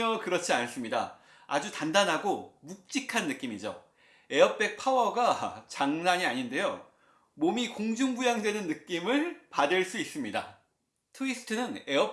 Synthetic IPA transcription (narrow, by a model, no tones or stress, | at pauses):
ʌkɯɾʌt͡ɕʰians͈ɯmɲida̰ | a̰d͡ʑutandanɦaɡomuk̚t͡ɕ͈ikʰanːɯk͈imid͡ʑo̰ | e̞ʌp̚p͈e̞k̚pʰawʌɡat͡ɕaŋnaɲiaɲinde̞jo | momikoŋd͡ʑuŋbujaŋdwe̞nɯnːɯk͈imɯɭpadɯɭs͈uis͈ɯmɲida̰ | tʰɯisʰɯ̥tʰɯnɯne̞ʌ